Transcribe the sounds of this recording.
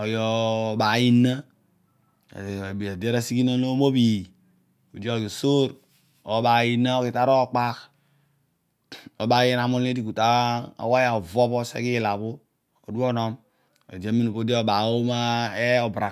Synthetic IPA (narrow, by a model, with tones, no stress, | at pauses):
ɔ˨jɔ˨ba˨ji˦na˦˨ | bi˨a˨de˦ɾa˦si˦ki˦no˦lo˦mo˦bi˨ | o˨do˦˨ɡi˨so˦ɾ | ɔ˨˦ba˨ji˨na˦o˦ki˨ta˦ɾɔ˦˨k͡pa˦k | ɔ˨ba˨˦je˦n˨a˨mo˦le˦di˨ku˨ta˦a̰˨wa˦ja˨ɔ˨vɔ˦bɔ˦sḛ˦ki˦˨la˨βo˦ | o̰˨du˦ɔ˦˨nɔ˦m | o̰˨d͡ʒa˦mi˦nu˨po˦di˦o˦˨ba˨o˦ma˦ɛ˦ɔ˨bɾa˨